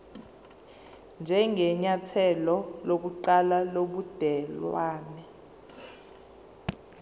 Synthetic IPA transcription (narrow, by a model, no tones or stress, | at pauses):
nd͡ʒʱɛŋɡʱɛɲatʰɛlɔlok̬uǃalaloɓud̥ʱɛlwaːnɛ